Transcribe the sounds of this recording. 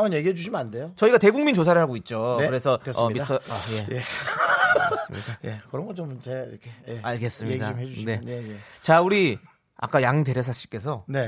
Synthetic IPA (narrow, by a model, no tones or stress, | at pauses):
amɯnjeɡiɦed͡ʑuɕʰimɯnande̞jot͡ɕʌiɡate̞ɡuŋmint͡ɕos̬ʰaɾɯɭɦaɡoit̚t͡ɕ͈okɯɾe̞sʰʌsʌmisʰʌjeje | es͈ɯmidajekɯɾʌŋɡʌt͡ɕomt͡ɕeɾʌkʰejeaɭɡe̞s͈ɯmɲidamɦed͡ʑuɕne̞neet͡ɕauɾi | a̰k͈ajaŋde̞ɾjʌs̬ʰaɕ͈ʰi̥k͈e̞s̬ʰʌne̞